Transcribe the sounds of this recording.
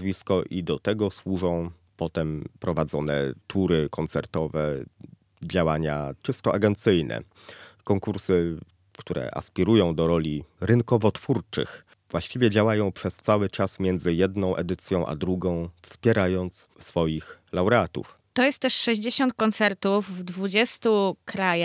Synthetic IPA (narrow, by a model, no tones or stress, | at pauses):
zvʲiskɔʔid̪ɔt̪ɛɡɔswuʐɔ̃w̃ | pɔt̪ɛmpɾɔvad̪zɔnɛ̰t̪ʰuɾɘkɔnt̪sɛɾt̪ɔvɛ | d͡ʑawaɲat͡ʂɘst̪ɔʔaɡɛnt̪sɘjnʔɛ̰ | kɔŋkuɾsɘ | kt̪uɾɛ̰ʔa̰spʲiɾujɔ̃w̃d̪ɔɾɔlʲiɾɘnkɔvɔt̪fuɾt͡ʂɘ̰x | vwaɕt͡ɕivʲjɛd͡ʑawajɔ̃w̃pʂɛst̪sawɘt͡ʂasmʲjɛnd̪zɘjɛd̪nɔ̃w̃ʔɛd̪ɘt̪sʲjɔ̃w̃ʔa̰d̪ɾuɡɔ̃w̃fspʲjɛɾajɔnt̪ssfɔjix | lawɾɛat̪ṵf | t̪ɔjɛst̪ːɛʂʂɛʑd͡ʑeɕɔnt̪̚kɔnt̪sɛɾt̪ufːd̪vud͡ʑɛst̪ukɾaja